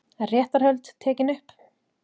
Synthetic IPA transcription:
ɛrjɛːht̪aɾ̥hœɥlt̪t̪ʰːɛːcɪnʏhp

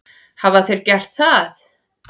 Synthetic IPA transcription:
havaθejɾcɛr̥t̪θaθ

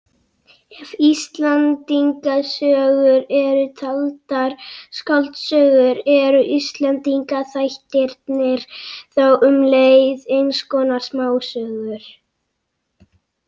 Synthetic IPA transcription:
ɛvist̪lant̪iŋkasœːɣʏɾɛɾʏt̪ʰalt̪aɾ̥skalt̪sœːɣʏɾɛɾʏʔist̪lant̪iŋkaθajht̪ɪɾt̪nɪɾ̥θawʔʏmlejðejnskɔːnḁsmaːwsœːɣʏɾ̥

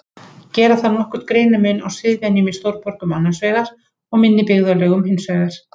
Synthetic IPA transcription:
cɛːɾaθanɔhkʏɾ̥t̪kɾejnʏmʏnawsɪðvjanimist̪owɾpɔɾkʏmanːasveːjðaɾ̥ | ɔɣmɪnːɪpɪɣðalœːɣʏmhɪnsœːɣðɪɾ̥

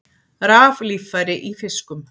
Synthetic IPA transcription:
ɾaːvliːfaɾɪʔifɪskʏm

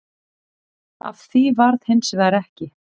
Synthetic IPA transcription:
a̰vθivaɾðhensɪðaɾɛhcɪ

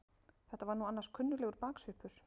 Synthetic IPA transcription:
θɛht̪ːavaɾnuanːaɾskʰʏnːʏlɛːɣʏɾpaːksvʏhpʏɾ̥

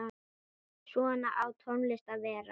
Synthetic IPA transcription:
a | svɔnaʔawt̪ʰɔnlɪst̪avɛːɾa

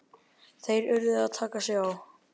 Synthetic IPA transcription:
θejɾʏɾðɪðaðt̪ʰaːkasjɛɣaw

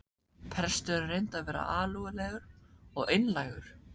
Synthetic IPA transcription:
pʰɾɛ̥st̪ʏrejnt̪aðvɛːɾa̰ʔaːlɔɣʏlɛːɣʏɾ̥ɔɣejnlajɣʏɾ̥

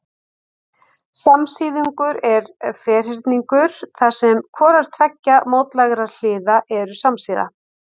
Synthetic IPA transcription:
samsiːðiŋkʏɾɛɾfɛːr̥ɪɾt̪niŋkʏɾ̥θḁsɛmkʰvɔːɾaɾ̥t̪ʰvɛcːamoːwt̪laɣɾal̥ɪːðaʔɛɾʏsamsiːða̰

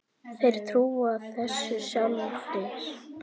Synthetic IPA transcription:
θejɾ̥t̪ʰɾuːaːðθɛsːɪsjawmaɾfɾɪɾ̥

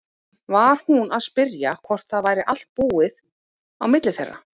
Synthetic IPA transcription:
vaɾ̥hunaðspɪɾjakʰvɔr̥t̪θaðvaːjɾɪʔal̥t̪̚puːɪð | awmɪt̪lɪθɛ̰rːa̰

